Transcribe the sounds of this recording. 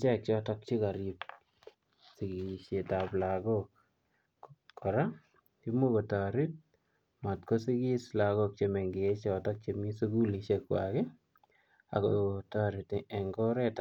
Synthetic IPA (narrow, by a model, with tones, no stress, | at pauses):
t͡ʃɛ˦k̚t͡ʃɔtɔ˦k̚t͡ʃi˦ka˨ɾip | si˨ɡiʃe˨taplaɡɔk | kʰːɔ˨ɾa | ki˦mo˦ko˨ta˨ɾi˦t̚ | ma˨tko˦si˦ɡi˦sla˨ɡok̚t͡ʃe˨mɛ˨ŋɡe˨e˦t͡ʃɔtɔk̚t͡ʃemi˦su˦ɡu˦liʃekwa̰ke˦ | a̰˨kotaɾi˨tɛ˨ŋɡɔ˦ɾɛ˦t